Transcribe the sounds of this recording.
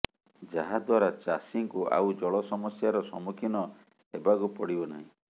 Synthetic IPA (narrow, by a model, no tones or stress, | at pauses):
d͡ʒaɦad̪waɾat͡ʃasiŋkuʔa̰wd͡ʒɔɭɔsɔmɔsjaɾɔsɔmukʰinɔ | ebaɡupɔɽibɔna̰ɦĩ